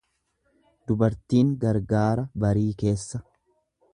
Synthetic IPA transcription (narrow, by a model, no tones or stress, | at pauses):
d̪ʊbɐɾt̪iːŋɡɐɾɡaːɾɐbɐɾiːke̞ːsːɐ